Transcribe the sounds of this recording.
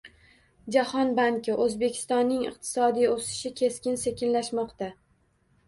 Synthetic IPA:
d͡ʒahɒnbaŋkʲɪʔɵzbe̞kʲʰɪ̥st̪ɒnːɪŋɨ̰q̚t̪ʰɪ̥sɒd̪ijosɪ̥ʃɪkʲʰe̞skʲɪnse̞kʲʰɪnlaʃmɒqt̪a

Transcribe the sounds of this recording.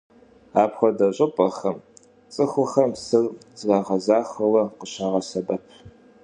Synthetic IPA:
aːpxʷɔdɐɕʷʼɐpʼɐxɐm | t͡sʼɨxʷʊxɐmsɨrzraːʁɐzaːxɐwɐqəɕaːʁɐsɐbɐpʰ

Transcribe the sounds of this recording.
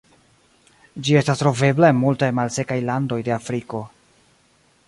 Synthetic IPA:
d͡ʒie̞stastɾo̞ve̞blaenmultajmalse̞kajlando̞jde̞afɾiko̞

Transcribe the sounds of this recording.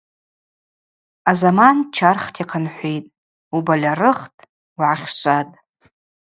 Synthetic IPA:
azamant͡ʃʰarχtʰiqʰanħʷijtʼ | ubalʲarɨχtʼ | wʕaχʲʃʷatʼ

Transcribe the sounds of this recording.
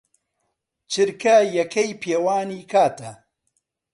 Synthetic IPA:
t͡ʃʰɨɾkɐjɐkʰɐjpʰeːwaːniːkʰaːt̪ʰɐ

